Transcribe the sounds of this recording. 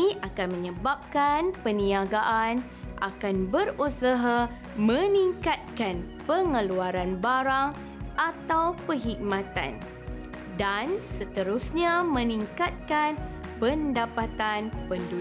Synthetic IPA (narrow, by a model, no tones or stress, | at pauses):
ʔakanmə̃ɲəbap̚kanpənĩaɡaʔan | ʔa̰kanbəɾusaɦa | mə̃niŋkat̪̚kan | pəŋəluaɾanbaɾaŋ | ʔat̪awpəɦik̚mãt̪a̰n | dansət̪əɾusɲamə̃niŋkat̪̚kanpəndapat̪anpəndu